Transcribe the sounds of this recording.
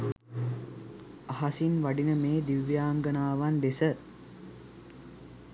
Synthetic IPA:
aɦasinʋaɖinəmeːd̪iʋjaːŋɡənaːʋand̪esə

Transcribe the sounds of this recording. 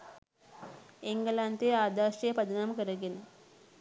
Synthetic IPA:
iŋɡlant̪eːaːd̪aːʃejpɐd̪ɐnamɐkəɾɐɡenɨ

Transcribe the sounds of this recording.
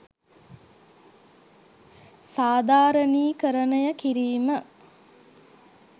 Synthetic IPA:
saːd̪aːɾəniːkəɾənəjəkiɾiːmə

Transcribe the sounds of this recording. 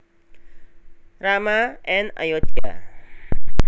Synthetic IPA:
ɾamaɛna̰jot̪ka̰

